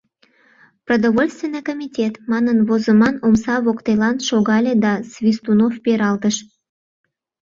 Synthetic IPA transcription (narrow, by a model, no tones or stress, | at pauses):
prod̪oβolʲst̪vʲenːəjkomʲitʲet̪mɑnənvozəmɑnomsɑβokt̪elɑnʃoɣɑlʲed̪ɑsvʲist̪unofpeɾɑlɣəʃ